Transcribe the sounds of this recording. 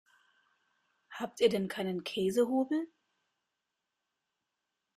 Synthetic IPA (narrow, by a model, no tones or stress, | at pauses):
haːp̚tiːɐdɛnkʰaɪnənkʰɛːzəɦuːbl̩